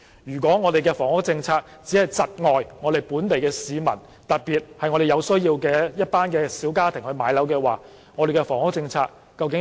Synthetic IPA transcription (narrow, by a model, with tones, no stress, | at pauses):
jyː˨˩k̬ʷɔː˨˥ŋɔː˨˧d̪e˨jkɛː˧fɔː˨˩ŋhʊ˥k̚t͡sɪ˧ŋt͡sʰaː˧k̚ | t͡siː˨˥hɐ˨jt͡sɐ˨t̚ŋɔː˨jŋɔː˨˧d̪e˨˩jpuː˨˥nt̪e˨jkɛː˧siː˨mɐ̰˨˩n | t̪ɐ˨t̚piː˨t̚hɐ˨jŋɔ˨˧ɾe˨˩jɐ˨˧wsɵ˥ɥjiː˧wkɛː˧jɐ˥t̚paː˥nkɛː˧siː˨˥wkaː˥t̪ʰɪ˨˩ŋhɵ˧ɥmaː˨˥jlɐ˨˥wkɛː˧waː˨˩ | ŋɔː˨˧ɾe˨jkɛ˧fɔː˨˩ŋhʊ˥k̚t͡sɪ˧ŋt͡sʰaː˧kːɐ˧wkɪ˧˥